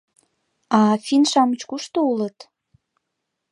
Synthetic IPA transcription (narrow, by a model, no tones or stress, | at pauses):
ɑfʲinʃɑmət͡ɕkuʃt̪oulət̪